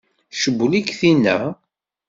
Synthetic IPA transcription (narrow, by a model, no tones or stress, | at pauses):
ʃəbːlikθinːæ̰